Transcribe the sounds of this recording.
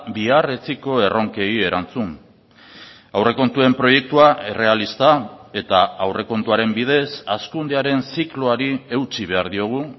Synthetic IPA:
biare̞t͡siko̞e̞ro̞ŋke̞je̞ɾant͡sun | awre̞ko̞nt̪ue̞mpɾo̞je̞k̚t̪uae̞re̞alist̪ae̞t̪aawre̞ko̞nt̪uaɾe̞mbið̞e̞saskund̪eaɾe̞nsikloaɾiewt͡siβ̞e̞aɾðio̞ɣ̞u

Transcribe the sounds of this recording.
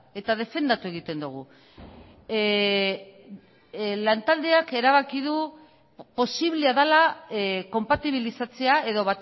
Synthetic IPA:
e̞t̪að̞e̞fe̞nd̪at̪ue̞ɣ̞it̪e̞nd̪uɣ̞u | lant̪ald̪e̞ake̞ɾaβ̞akiðu | po̞siβleaðalako̞mpat̪iβ̞ilisat͡se̞ae̞ðo̞βat̪

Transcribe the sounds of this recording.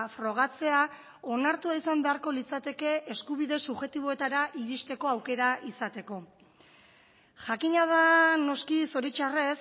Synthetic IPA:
fɾo̞ɣ̞at͡se̞a | o̞naɾt̪uaisambe̞aɾko̞lit͡sat̪e̞ke̞eskuβiðe̞suʝe̞t̪iβo̞e̞t̪aɾaʔiɾist̪e̞ko̞awke̞ɾaʔisat̪e̞ko̞ | ʝakiɲað̞ano̞skiso̞ɾit͡ʃares

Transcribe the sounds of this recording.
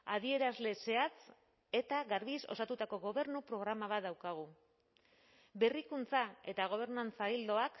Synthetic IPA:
að̞ie̞ɾazle̞se̞at͡s | e̞t̪aɣaɾβiso̞̰sat̪ut̪ako̞ɣo̞βe̞ɾnupɾo̞ɣ̞ɾamaβat̪d̪awkaɣ̞u | be̞rikunt͡sae̞t̪aɣ̞o̞β̞e̞ɾnant͡saild̪o̞ak

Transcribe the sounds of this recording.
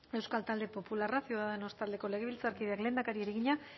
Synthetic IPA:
e̞wskalt̪ald̪e̞po̞pularasiuwðaðe̞no̞st̪ald̪e̞ko̞le̞ɣ̞e̞βilt͡saɾkiðeakle̞nd̪akaɾieɾeɣiɲa

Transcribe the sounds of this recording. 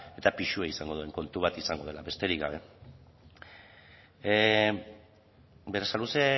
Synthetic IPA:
e̞t̪apiʃueisaŋɡo̞ð̞ue̞ŋko̞nt̪uβat̪isaŋɡo̞ð̞e̞laβe̞st̪e̞ɾiɡɡa̰βe̞ | beɾesaluse

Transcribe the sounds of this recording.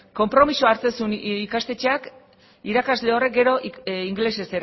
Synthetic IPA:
ko̞mpɾo̞misoaɾt͡se̞sunikast̪e̞t͡ʃeak | iɾakazle̞o̞re̞k̚ɡe̞ɾo̞ʔiŋɡle̞se̞se̞ɾ

